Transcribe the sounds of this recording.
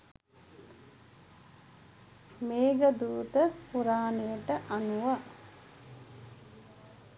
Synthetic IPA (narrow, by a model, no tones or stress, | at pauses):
meːɡəd̪uːt̪əpuɾaːnejəʈəʔanuʋa